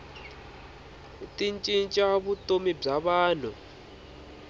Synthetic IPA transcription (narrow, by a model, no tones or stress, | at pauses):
tʼint͡ʃʼint͡ʃʼaβutʼomib͡ʐaβaːn̤u